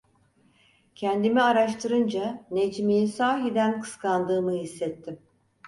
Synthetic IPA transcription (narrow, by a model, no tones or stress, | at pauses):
cʰɛnd̪imiaɾaʃt̪ʰɯɾɯnd͡ʒaned͡ʒmijisaːɦid̪ænkʰɯ̥skʰand̪ɯːmɯɦisːɛt̪ʰːim